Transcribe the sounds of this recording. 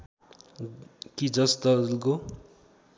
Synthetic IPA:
kid͡zʌsd̪ʌllɡo

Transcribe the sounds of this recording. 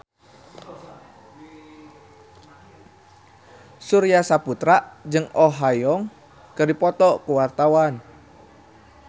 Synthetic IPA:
suɾijasaput̪ɾaʔd͡ʒɨŋoɦajɔŋ | kərdipɔt̪ɔkuwart̪awan

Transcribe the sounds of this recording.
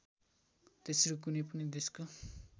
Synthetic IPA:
t̪esɾok̬unʌjpʌnid̪esko

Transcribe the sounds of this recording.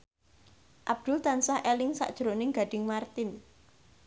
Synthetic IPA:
ʔab̚d̪̥ʊlt̪ansahʔelɪŋsa̰ʔd̥ʒ̥ɾonɪŋɡa̤ɖ̥ɪ̤ŋmart̪ɪn

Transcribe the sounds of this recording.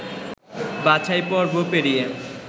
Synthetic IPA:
bat͡ɕʰajpɔɾbʱopeɽije

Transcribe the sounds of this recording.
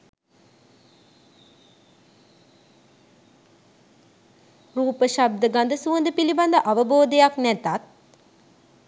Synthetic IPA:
ruːpəʃab̚d̪əɡand̪əsuənd̪əpiliband̪əʔaʋəboːd̪əjaknæt̪at̪̚

